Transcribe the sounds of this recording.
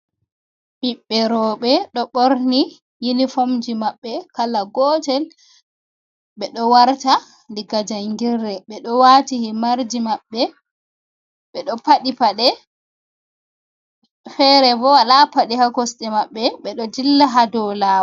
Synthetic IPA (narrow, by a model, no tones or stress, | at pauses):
ɓiɓːɛɾɔːɓɛɗɔɓoɾni | jinifomd͡ʒimaɓːɛkalaɡɔːtɛl | ɓɛɗɔwaɾta | liɡad͡ʒaŋɡirːɛɓɛɗɔwatihimaɾd͡ʒimaɓːɛ | ɓɛɗɔpaɗipaɗɛ | fɛɾɛbɔwalapaɗihakɔsɗɛmaɓːɛɓɛɗɔd͡ʒilːaɦadɔlaːw